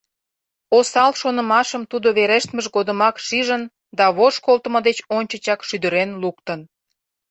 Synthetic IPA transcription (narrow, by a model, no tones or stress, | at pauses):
osɑlʃonə̆mɑʃəmt̪ud̪oβeɾeʃt̪məʒɡod̪əmɑkʃiʒən | d̪ɑβoʃkolt̪əməd̪et͡ɕonʲt͡ɕət͡ɕɑkʃyd̪əɾenlukt̪ən